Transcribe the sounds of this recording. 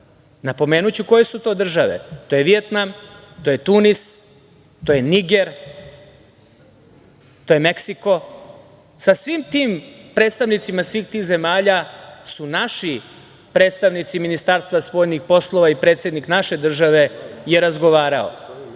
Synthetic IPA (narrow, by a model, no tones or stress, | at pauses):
napo̞me̞ːnut͡ɕuko̞je̞sut̪o̞ːd̪r̩ʒaʋḛt̪o̞ːjeʋijet̪nam | t̪ojet̪unis | t̪o̞jeniɡe̞ɾ | t̪o̞jeme̞ksiko̞ | sasʋimt̪iːmpɾe̞ːt̪st̪aʋnit̪simasʋiːxt̪iːxze̞maːʎasunaʃi | pɾe̞ːt̪st̪aʋnit̪siminist̪aːɾst̪ʋaspo̞jnixpo̞slˠo̞ʋaipɾe̞ːt̪sje̞d̪niknaʃe̞d̪r̩ʒaʋe̞jeɾazɡo̞ʋaːɾao̰